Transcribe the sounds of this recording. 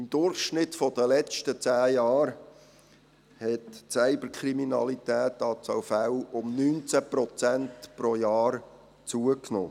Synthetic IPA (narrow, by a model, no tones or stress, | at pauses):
ɪmd̪ʊɾχʃnɪtfɔd̥əlɛt͡ʃtət͡sæːjɑːɾ | hɛtt͡sæɪbəɾkʰɾiminɑlit̪ɛːt̪ːɑt͡sawfæwʊmnyːnt͡sæprɔt͡sæntpɾojɑːɾ | t͡suəkno̰ː